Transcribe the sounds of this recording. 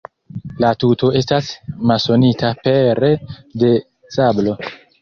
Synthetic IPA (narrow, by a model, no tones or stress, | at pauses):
latuto̞e̞stasmalso̞nitʰape̞ɾede̞ | sablo̞